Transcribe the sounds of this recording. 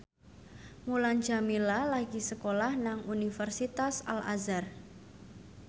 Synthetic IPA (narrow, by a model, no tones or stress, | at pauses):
muland͡ʒamilalaɡisəkolahnaŋunifərsit̪asa̰la̰zar